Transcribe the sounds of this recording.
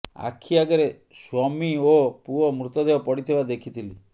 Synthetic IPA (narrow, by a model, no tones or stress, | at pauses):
a̰kʰiaɡɔɾe | swɔmiopuɔmɾut̪ɔd̪eɔpɔɽit̪ʰebad̪ekʰit̪ʰili